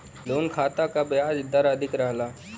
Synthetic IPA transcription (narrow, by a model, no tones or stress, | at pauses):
loːnkʰaːt̪akabɪjaːd͡ʒɪd̪əɾəd̪ʱɪkɾəɦlaː